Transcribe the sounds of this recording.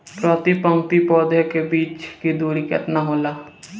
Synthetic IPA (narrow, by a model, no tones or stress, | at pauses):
pɾɔt̪ipə̃ŋkt̪ipɔːd̪ekebiːt͡ʃkid̪uːɾikɛ̰t̪naɦoːlaː